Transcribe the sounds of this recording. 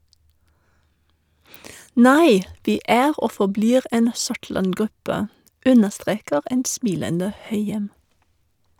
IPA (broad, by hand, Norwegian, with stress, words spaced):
ˈnæɪ ˈʋɪ ˈæːʁ ˈʔoː fɔˈbliːʁ ˈɛn ˈsʊʈɭɑnˌɡʁʉpə ˈʉnəʃˌtʁeːkəʁ ˈɛn ˈsmɪləndə ˈhœʏjɛm